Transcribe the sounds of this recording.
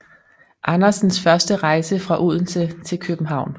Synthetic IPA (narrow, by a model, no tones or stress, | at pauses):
ʔɑ̈nɐsn̩sfɶɐsd̥əʁɑ̈ɪsəfʁɑ̈ʔuð̰ˠn̩t͡sʰet͡sʰe̝lkʰøb̥m̩ɦɑ̈ʊ̰n